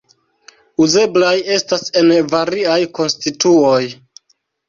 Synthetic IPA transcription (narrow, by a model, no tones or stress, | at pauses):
uze̞blaje̞stase̞nvaɾiajko̞nstituoj